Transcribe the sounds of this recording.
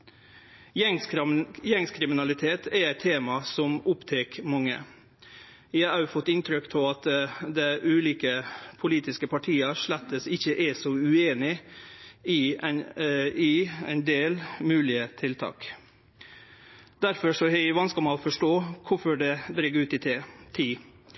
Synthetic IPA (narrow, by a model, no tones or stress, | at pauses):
jɛŋskʰɾɪmɪnɑlɪt̪ʰeːt̪ʰɛæɪt̪ʰːeːmɑsɔmʊpt̪ʰeːkmɑŋːə̰ | æɑɑʊfɔt̪ːɪnt̪ʰɾʏkːt̪ʰɔɑt̪d̪ɛʔʉːliːkəpʰʊliːt̪ɪskəpʰɑʈʰiːɑʂɭæt̪ːəsɪçːəʔɛsɔʉeːnɪ | ɪ | ɪæ̰ɪnd̪eːlmʉːlɪət̪ʰɪlt̪ʰɑ̰ːk | d̪æɾfɔʂɔhɛʋɑnskəmɑoːfɔʂʈoːkʰʊfɔɖɛd̪ɾɛɡʉːt̪ɪt̪ʰːt̪ʰiː